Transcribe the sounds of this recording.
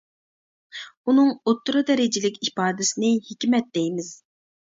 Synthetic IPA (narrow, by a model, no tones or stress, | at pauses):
unɨŋot̪ːɾɨd̪ɛɾɪd͡ʒɪlɪkʲipɑːd̪ɪsɪnɪhekʲmɛt̪̚d̪ɛjmɪz̥